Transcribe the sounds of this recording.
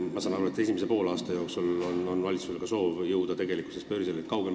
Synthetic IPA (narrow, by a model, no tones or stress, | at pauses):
mɑsɑnɑɾuet̪e̞simes̬epo̞ːlɑːst̪ɑjo̞ːksulononvɑlit̪suseɡ̥ɑso̞ːvjɤwd̪̥ɑt̪e̞ɡ̥elikːu̥sespø̞ːɾiselet̪kɑwɡ̥em